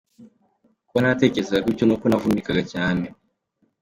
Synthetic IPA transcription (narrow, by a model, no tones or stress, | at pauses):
kwanate̞ːcezeɡakiconukonavunikaɡacaːne